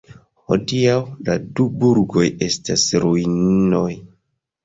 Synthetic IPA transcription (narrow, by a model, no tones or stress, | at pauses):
ho̞̰diawladubuɾɡo̞je̞stasɾuinno̞j